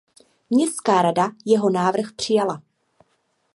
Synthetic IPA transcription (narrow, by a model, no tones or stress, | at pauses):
mɲɛstkaːɾadajɛɦo̞naːvr̩xpr̝̥ɪjala